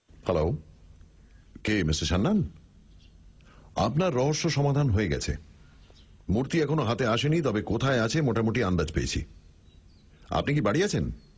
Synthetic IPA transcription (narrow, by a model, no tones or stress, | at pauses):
hɛlo | kemiseʃanːan | a̰pnaɾːɔɦoʃːoʃɔmad̪ʱanɦoeɡɛ̰t͡ɕʰḛ | muɾt̪iɛkʰonoɦat̪eaʃenit̪ɔbekot̪ʰaeat͡ɕʰemoʈamoʈiand̪ad͡ʑpḛːḛt͡ɕʰḭ | a̰pnik̬ibaɽiat͡ɕʰen